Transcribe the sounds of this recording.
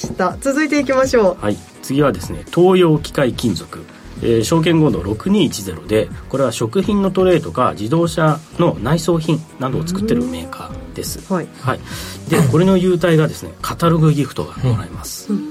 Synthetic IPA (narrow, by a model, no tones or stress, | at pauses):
t̪at͡sɨzɨit̪e̞ikʲimaɕo̞ːhai | t͡sɨɡʲiβad̪e̞sɨne̞̰t̪ʰo̞ːjo̞ːkʲi̥kaikʲĩnd͡zo̞kɯ̟ | eːɕo̞ːk̬ẽ̞ŋɡo̞nd̪o̞̰ɾo̞kɯ̟ɲ̟iːt͡ɕize̞ɾo̞̰d̪e̞ko̞ɾe̞βaɕo̞kɯ̟çĩnːo̞t̪o̞ɾe̞ːt̪o̞ka̰d͡ʑid̪o̞ːɕano̞naiso̞ːçĩnnad̪o̞ːt͡sɨ̥kɯ̟t̪ːe̞ɾɯ̟me̞ːka̰ːd̪̥e̞sɨ̥haid̪e̞ko̞ɾe̞no̞jɯ̟ːt̪̬aiɡad̪e̞sɨne̞̰kʰat̪aɾo̞ɡɯ̟ɡʲiɸɯ̟̥t̪o̞̰ɡaɾaemasɨ̥